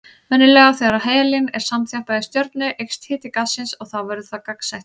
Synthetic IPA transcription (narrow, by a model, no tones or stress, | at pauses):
vœnːɪlɛːɣaθeːɣɾaheːjalɪnɛɾ̥samt̪θjahpaɣðɪst̪jœɾt̪nʏʔejkst̪hɪːt̪ɪkasːɪnsɔɣθawvɛɾðʏθakaksajht̪